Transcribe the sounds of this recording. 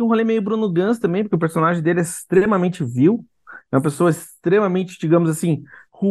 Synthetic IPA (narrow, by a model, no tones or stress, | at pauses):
ũɦolejmejʊbɾũnʊɡɐ̃st̪ɐ̃mbẽj̃p̬ʊɾkeʊp̬eɾsonaʒẽj̃d̪elɪɛɪst̪ɾemɐmẽnt͡ʃɪviw | ɛũmɐpesoɐɪst̪ɾemɐmẽnt͡ʃɪ̥d͡ʒiɡɐ̃mʊzasĩhu